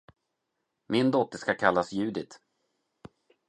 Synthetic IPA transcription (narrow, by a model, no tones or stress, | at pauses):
mɪnd̪ɔt̪ːəʂkakʰalːasjʉ̟ːd̪ɪt̪